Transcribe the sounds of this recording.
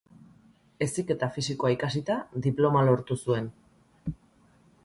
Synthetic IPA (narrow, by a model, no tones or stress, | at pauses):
e̞sike̞t̪afisiko̞aikasit̪aðd̪iplo̞malo̞ɾt̪usue̞n